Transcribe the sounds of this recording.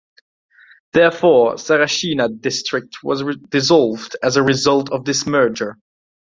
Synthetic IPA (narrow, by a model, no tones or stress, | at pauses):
ðɛɹfɔɹsɛɹaʃinadɪstɹ̥ɪk̚tʰwʌ̰zdɨzɔlˠvdɨzəɹɪzʌlˠtʰʌvðɪsmɜ˞d͡ʒə˞